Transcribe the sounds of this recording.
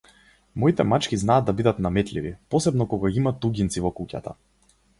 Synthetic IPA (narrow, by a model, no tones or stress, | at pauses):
mɔit̪ɛmat͡ʃkiznaːd̪abid̪at̪namɛt̪livipɔsɛbnɔkɔɡaɡimat̪uɡint̪sivɔkuca̰t̪a̰